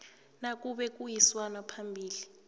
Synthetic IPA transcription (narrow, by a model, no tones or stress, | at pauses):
nak̬ʼuɓɛk̬ʼujiswanapʰambʱiːli